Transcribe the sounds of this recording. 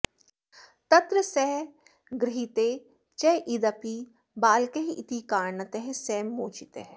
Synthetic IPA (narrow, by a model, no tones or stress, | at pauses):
t̪ɐt̪ɾəsɛɦ | ɡɾɪɦit̪eː | t͡ʃɛːʔid̪ɐpi | baːlkeɦiʔɪt̪ikaːɾnɐt̪eɦesɛːmːoːt͡ʃit̪eɦ